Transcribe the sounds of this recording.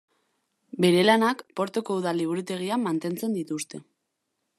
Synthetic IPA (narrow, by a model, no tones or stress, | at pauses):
be̞ɾe̞lanakpo̞ɾt̪okouðaliβ̞uɾut̪e̞ɣ̞iamːant̪e̞nt͡se̞nd̪it̪ust̪e̞